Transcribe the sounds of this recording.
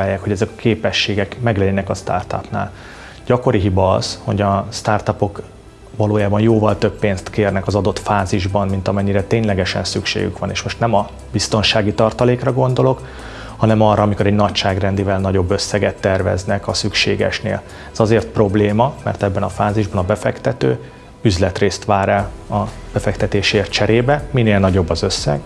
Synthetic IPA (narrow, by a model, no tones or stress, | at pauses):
aːjːaːkho̞ɟɛzɛkɒ̥keːpɛʃːeːɡɛkmɛɡlɛɟɛnɛkɒst̪a̰rt̪ɒ̰pna̰ːl | ɟɒko̞ɾiɦibɒɒ̰zho̞̰ɟɒst̪aːrt̪ɒpo̞k | vɒloːjaːbɒnjoːvɒlt̪øpːeːnst̪keːrnɛkɒzɒd̪o̞t̪faːziʒbɒnmint̪ɒmɛɲːiɾɛt̪eːɲlɛɡɛʃɛ̰nsykʃḛːɡy̰kʋɒneːʃmo̞ʃt̪nɛmɒ | bist̪o̞nʃaːɡit̪ɒrt̪ɒleːkrɒɡo̞nd̪o̞lo̞k | hɒnɛmɒrːɒːmiko̞ɾɛɟnɒcʃaːɡrɛnd̪ivɛlnɒɟo̞bːø̞sːɛɡɛt̪ːɛrvɛ̰znɛkɒsykʃḛːɡɛ̰ʃnḛːl | ɛz̥ɒzeːrt̪̚pro̞bleːmɒmɛ̰rt̪ɛbːɛnɒfaːziʒbɒnɒbɛfɛkt̪ɛt̪ø̰ː | yzlɛt̪reːst̪ʋaːɾɛlɒb̥ɛfɛkt̪ɛt̪eːʃeːrt͡ʃɛɾeːbɛmineːlnɒɟo̞bːɒzø̞sːɛ̰ɡ